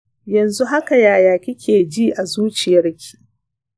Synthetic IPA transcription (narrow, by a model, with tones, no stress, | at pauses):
jɐ˨nzu˦ɦa˦ka˨jaː˨jaː˨kʲɪ˦kʲʰeː˨d͡ʒiː˦ʔa˨zuː˦t͡ʃɪ˨jɐ˦rkʲʰi̥ː˦